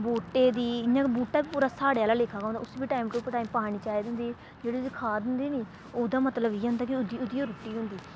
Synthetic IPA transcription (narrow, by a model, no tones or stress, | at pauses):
buːʈːeːd̪iːɪɲãːkbuːʈːaːbiːpuːɾaːsaːɽeaːlaːleːkʰːãːkɔ̃ːnd̪a̰ːʊsbiːʈaːimʈupʈaːimpaːɽ̃iːt͡ʃaːid̪nd̪iː | d͡ʒeːɽiːskʰaːd̪ɪnd̪iːniː | oːd̪aːmət̪ləbiːɦãːnd̪aːkɪʊd̪iʊd̪iːoɾʊʈːiːɦʊ̃nd̪iː